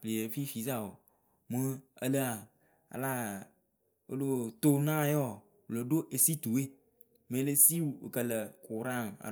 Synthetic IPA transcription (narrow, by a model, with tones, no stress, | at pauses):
pli˨e˨fi˦fi˨za˦wo˨ | mə˦ə˦lə˦a˨ | a̰˨la˦ | o̰˦lo˦t̪o˦nã˦˨jɔ˦˨ | lo˨ɖo˦ʔe˨si˦t̪u˨e˦ | mẽ˨˦le˦si˦wu˨o̰˨kə˨lə˨ku˨ɾã˦n˨a̰˨